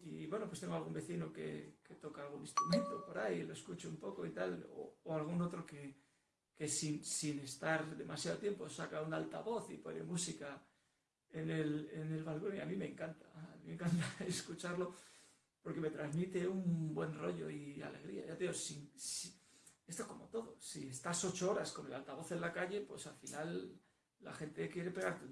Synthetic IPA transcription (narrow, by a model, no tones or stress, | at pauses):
iβwe̞no̞pwe̞st̪eŋɡoalɣ̞umbe̞θinoke̞̰ke̞t̪o̞kaaːlɣ̞unĩst̪ɾumẽ̞nt̪o̞po̞ɾajlo̞eskut͡ʃoumpo̞ko̞it̪alo̰oalɣ̞uno̞t̪ɾo̞ke̞ | ke̞sinsine̞st̪aɾðe̞masjaðot̪je̞mpo̞sakaunaalt̪a̰βo̞θḭpoɾḛmusika | ene̞lene̞lβalko̞niamĩme̞ːŋkant̪ḁːmĩme̞ŋkant̪aeskut͡ʃaɾlo̞ | po̞ɾke̞me̞t̪ɾazmit̪e̞umbwe̞nro̞ʝo̞̰ia̰le̞̰ɣ̞ɾḭa̰ʝat̪eiɣosiŋsie̞st̪o̞hko̞mo̞t̪o̞ðo̞siest̪aso̞t͡ʃo̞o̞ɾasko̞ne̞lalt̪aβo̞θe̞nlakaʎe̞pwe̞salfinalː | a̰xe̞nt̪e̞kje̞ɾe̞pe̞ɣaɾt̪e